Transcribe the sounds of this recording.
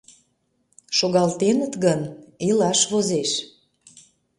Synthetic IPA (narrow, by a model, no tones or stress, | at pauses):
ʃoɣɑlt̪enə̆t̪ɣənilɑʃβozeʃ